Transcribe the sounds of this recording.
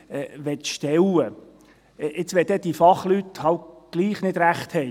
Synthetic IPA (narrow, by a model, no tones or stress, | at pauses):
ʋɛt̪ʃtɛwə | ɪt͡sʋɛd̥̪ɛd̥̪ifɑχlythɑwtɡ̥liːχnɪd̥ɾæχt̪hɛɪ